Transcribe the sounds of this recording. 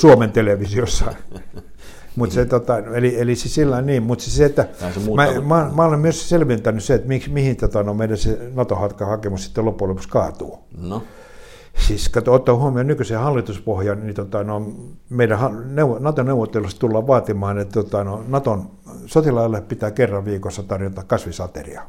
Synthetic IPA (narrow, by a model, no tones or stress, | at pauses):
suoment̪eleʋisiosːɑi | mut̪set̪ot̪ɑnelielisisilːɑinniːmmut̪siseet̪ːæmæmæomæolemmyøsselʋent̪ænysseet̪miksmihint̪ot̪ɑnoimeidæsenɑt̪ohɑt̪kɑhɑkemussi̥t̪ːelopːulepu̥skɑːt̪uː | siːskɑt̪ot̪ːohuomionykysehɑlːit̪uspohjɑnnit̪ot̪ɑnoimmeiɾæhɑneuʋonɑt̪oneuʋːˑot̪ːelust̪ulːɑʋʋɑːt̪imɑːnet̪ːot̪ɑnoinɑt̪on | sot̪ilɑilːepit̪æːkerːɑʋʋiːkosːɑt̪ɑrjot̪ɑkkɑsʋisɑt̪ḛrḭɑ